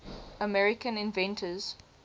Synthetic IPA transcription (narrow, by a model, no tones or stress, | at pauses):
əmɛɹɪkə̃nɪ̃nvɛ̃ntʰəz̥